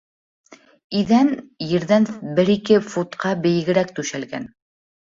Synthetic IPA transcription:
iðænjɘ̆ɾðænbɘɾikɘfut̪qɑbɘ̆jɘ̆ɡɘ̆ɾækt̪ʉʃælɡæ̰n

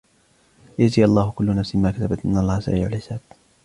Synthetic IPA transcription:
jaziːɑlˤːɑːhʊkʊlːʊnafsɪmaːkat̪abat̪ʔɪnːɑlˤːɑːhsa̰ʔḭːʕʊlhɪsaːd̪

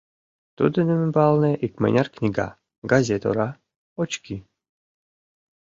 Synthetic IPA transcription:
t̪ṵd̪ɘnɛmɘbalˠnɛʔikmɛ̰nʲarknʲiɡa̰ | ɡazʲɛt̪o̰ɾa | ɔt͡ʃki

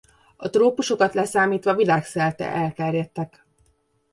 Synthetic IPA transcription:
ɒt̪roːpuʃo̞kɒt̪lɛsaːmiːt̪ʋɒvilaːksɛlt̪ɛ̰ʔɛlt̪ɛrjɛt̪ːɛk

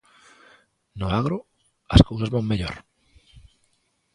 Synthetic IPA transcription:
nʊaɣ̞ɾo | askowsazβaŋmeʎo̰ɾ

